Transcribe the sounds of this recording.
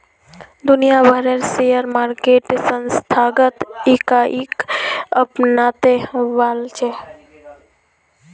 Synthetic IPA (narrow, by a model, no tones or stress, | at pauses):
d̪ʊnijabʱəɾeɾsejəɾmaːɾkeʈsənst̪ʰaːɡət̪ikaʔikəpnaːt̪eʋaːlt͡ʃʰe